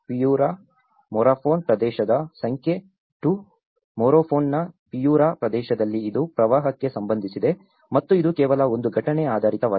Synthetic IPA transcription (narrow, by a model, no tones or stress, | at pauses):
pijuːɾaː | mɔːɾaːpʰoːnpɾɐd̪ɛːʃɐd̪ɐsɐŋkʰje̞ | ʈu | moːɾoːpʰoːnːɐpijuːɾaːpɾɐd̪ɛːʃɐd̪ɐlːiːd̪upɾɐʋaːɦɐkːe̞sɐmbɐnd̪ʱisid̪e̞ | mɐt̪ːuid̪ukɛːʋɐlɐo̞nd̪uɡʱɐʈɐneaːd̪ʱaːɾit̪ɐʋaː